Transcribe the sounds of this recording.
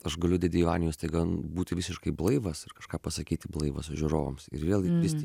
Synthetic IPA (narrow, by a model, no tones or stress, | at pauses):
ɐʃɡɐlʲʊdʲet̪ʲɪɪʋɑ̰ːnʲɪjʊst̪ɐɪɡɐbuːt̪ʲɪʋʲɪsʲɪʃkɐɪblˠɐɪʋɐsɪrkɐʃkɑːpɐsɐkʲiːt̪ʲɪblˠɐɪʋɐ̰sʊʒʲʊɾoːʋɐ̰msɪ̰ɾʋʲeːlˠɡʲɪʋʲɪst̪ʲi